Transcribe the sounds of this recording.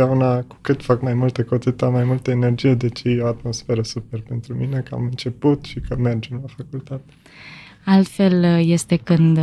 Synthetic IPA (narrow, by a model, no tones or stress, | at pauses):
aunaku̥kɨt̪fakmajmult̪əkot̪sɨt̪amajmult̪əene̞rd͡ʒije̞d̪e̞t͡ʃejoat̪mo̞sfe̞ɾəsupe̞rpe̞nt̪ɾumine̞kəa̰mɨnt͡ʃe̞put̪ʃikəme̞rd͡ʒemlafakult̪at̪e̥ | alt̪fe̞lje̞st̪e̞kɨnd̪